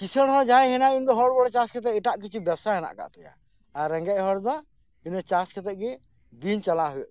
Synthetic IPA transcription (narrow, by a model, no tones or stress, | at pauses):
kit͡ʃʰəɽɦɔ̃d͡ʒaɛɦɛnaind̪ɔɦɔɽbɔɽt͡ʃaskʰɛt̪̬ɛʔiʈaʔkit͡ʃʰubɛbsaɦɛna̰ʔka̰ʔt̪uja̰ | aɾɛ̃ŋɡɛʔɦɔɽd̪ɔ | inɛt͡ʃaskʰɛt̪ɛʔ̚ɡɛ | d̪int͡ʃalaɦujɛʔ